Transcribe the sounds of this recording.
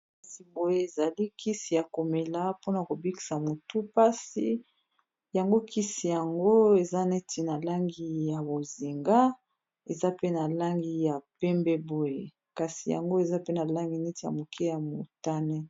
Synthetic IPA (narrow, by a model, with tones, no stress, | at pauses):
a˦si˨bo˨je˦e˨za˨li˦ki˦si˨ja˨ko˨me˨la˦po˦na˨ko˨bi˦ki̥˨sa˨mo˨tu˦pa˦si˦ | ja˨ŋɡo˦kʰi˦si˨ja˨ŋɡo˦e˨za˦ne˦ti˨na˨la˦ŋɡi˨ja˨bo˨zi˨ŋɡa˦ | e˨za˦pe˦na˨la˦ŋɡi˦ja˨pɛ˦mbɛ˦bo˨je˦ | ka˨si˨ja̰˨ŋɡo˦e˨za˦pe˦na˨la˦ŋɡi˨ne˦ti˨ja̰˨mo˨kʰɛ˦ja˨mo˨ta˦nɛ˦